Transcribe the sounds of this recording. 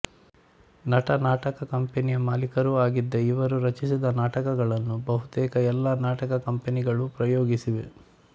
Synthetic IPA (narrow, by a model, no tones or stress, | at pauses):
nɐʈɐnaːʈɐkɐkɐmpenijɐmaːlikɐɾuaːɡid̪ːɐiʋɐɾuɾɐt͡ʃisid̪ɐnaːʈɐkɐɡɐɭɐnːubɐɦut̪ɛːkɐɛlːaːnaːʈɐkɐkɐmpeniɡɐɭupɾɐjoːɡisiʋe